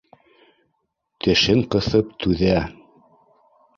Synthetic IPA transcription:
t̪ɘ̆ʃɘŋqɤ̆θɤpt̪ʰʉðæ

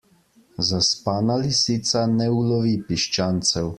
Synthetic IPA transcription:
zaspaːnalisit̪sanɛulɔʋipiʃt͡ʃaːnt̪sɛw

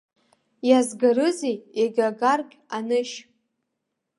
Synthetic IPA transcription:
jazɡaɾɨzejeɡʲaɡarkʲʼanɨʃ

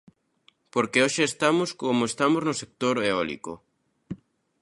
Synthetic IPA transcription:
poɾkeoʃeːst̪amoskomoest̪amoznosek̚t̪oɾeɔlḭko̰

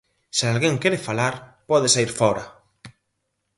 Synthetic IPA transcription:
sialɣeŋkeɾefalaɾpɔðesaiɾfɔɾa

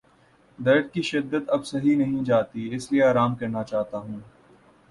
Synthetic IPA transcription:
d̪ɐɾd̪̚kiʃɪd̪ːət̪ɐbsɐɦinɐɦĩd͡ʒaːt̪iɪslieaːɾaːmkɐɾnat͡ʃaːɦt̪aɦũː

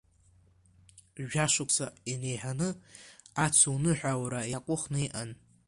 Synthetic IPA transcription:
ʒᶣaʂʷʊkʰʷʼsʰaine̞jħanɨat͡sʰuwnɨħʷᶣawɾajakʷʼʊχnɨiʔan

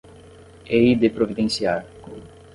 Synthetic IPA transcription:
eid̪epɾovid̪ẽnsiaɾ

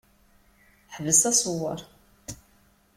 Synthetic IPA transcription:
ħəvəsæsˤwəɾˤ

